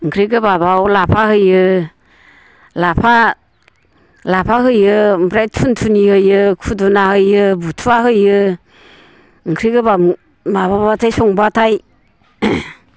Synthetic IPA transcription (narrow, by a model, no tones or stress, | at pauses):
ŋkʰɾiɡɯbabawlapʰahɯjɯ | lapʰa | lapʰaɦɯjɯmbʰɾajtʰuntʰunihɯjɯkʰudunahɯjɯbutʰuaɦɯjɯ | ŋkʰɾiɡɯba | mababbatʰajsɔŋbatʰaj